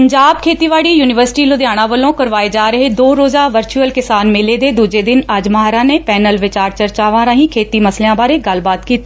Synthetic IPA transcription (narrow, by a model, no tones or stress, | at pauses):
pəɲd͡ʒaːb̚kʰeːt̪iːʋaːɽiːjuːnɪʋəɾsɪ̥ʈiːlod̪jaːɽ̃ãːʋəlõːkəɾʋaːed͡ʒaːɾəɦed̪oːɾoːzaːʋəɾt͡ʃuəlkɪsaːnmɪleːd̪eːd̪uːd͡ʒeːd̪ɪnəd͡ʒməɦaːɾaːnepɛːnəlʋɪt͡ʃaːɾt͡ʃəɾt͡ʃaːʋãːɾãːɦĩːkʰeːt̪iːməslejãːbaːɾeːɡəlbaːt̪kiːt̪e